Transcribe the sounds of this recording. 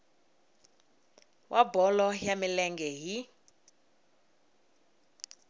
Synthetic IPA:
wʔabɔlɔjamilɛŋɡɛɦi

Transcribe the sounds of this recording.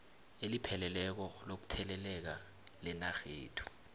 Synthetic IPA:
elipʰɛlɛlɛk̬ɔlok̬u̥tʰɛlɛlɛk̬a | lɛnaxḛːtʰu̥

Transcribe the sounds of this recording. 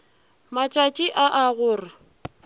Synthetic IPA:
mat͡ʃʼat͡ʃʼɪʔaʔaɣʊːrɪ

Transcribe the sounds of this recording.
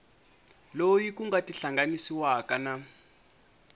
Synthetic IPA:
lojikuŋɡatiɬaŋɡanisiwakana

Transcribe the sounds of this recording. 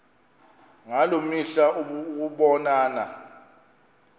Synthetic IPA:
ŋalumiɬaʔuk̬uɓɔnaːna̰

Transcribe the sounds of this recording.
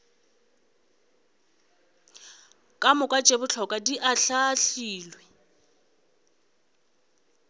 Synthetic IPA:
kʼamʊkʼat͡ʃʼebʊt͡ɬʰɔkʼadiʔaɬaɬiːlwɛ

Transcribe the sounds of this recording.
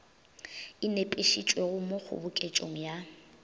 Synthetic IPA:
ɪnepʼeʃit͡ʃʼweɣʊmok͡xʰʊ̰bʊkʼet͡ʃʼoŋ̩ja

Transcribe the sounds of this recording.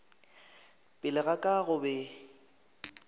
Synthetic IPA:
pʼɪlɪɣakʼaɣʊbɛ

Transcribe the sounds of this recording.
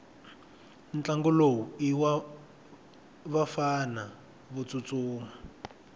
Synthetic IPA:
nt͡ɬaŋɡɔlowuiwa | βafana | βut͡sut͡suːma

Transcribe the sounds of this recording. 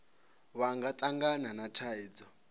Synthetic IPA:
βaŋɡat̪ʼaŋɡananatʰaiːd͡zɔ

